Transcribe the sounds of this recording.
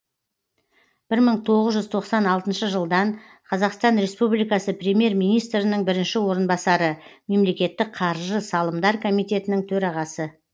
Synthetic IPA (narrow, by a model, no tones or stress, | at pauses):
b̥ɪɾməɴt̪ʰo̞ʁəzʒʏzt̪ʰo̞qsɑnɑlˠt̪ənʃəʒəlˠd̪ɑɴ | qʰɑzɑqst̪ɑnɾe̞spublijkɑsəprʲemje̞ɾmijnijst̪ɾɪnəɴbɪɾɪnʃɪwo̞ɾənbɑsɑɾəme̞mle̞kʲe̞t̪ːɪk̚qʰɑɾʒəsɑlˠəmd̪ɑɾkʰo̞mijt̪e̞t̪ɪnɪŋt̪ʰɵɾɑʁɑsə